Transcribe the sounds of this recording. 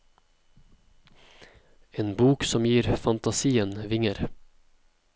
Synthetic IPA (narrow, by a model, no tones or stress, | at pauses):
eːnbuːksɔmjiːɾfɑnt̪ɑsiːənʋɪŋəɾ